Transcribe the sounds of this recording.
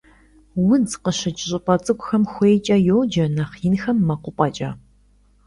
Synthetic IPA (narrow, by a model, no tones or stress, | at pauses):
wʊd͡zqəɕɪt͡ʃʼɪɕʼɪpʼɐt͡sʼɨkʷʼʊxɐmxʷeːjt͡ʃʼɐjoːd͡ʒɐnaχjɪnxɐmːɐqʷʊpʼɐt͡ʃʼɐ